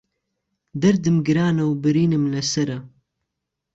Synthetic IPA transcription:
d̪ɐɾd̪ɨmɡɨɾaːnɐwbɨɾiːnɨmlɐsɐɾɐ

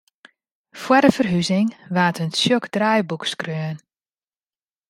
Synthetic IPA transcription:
fwɔdəfərɦyzɪŋʋaːtənsjokdrajbukskrøːn

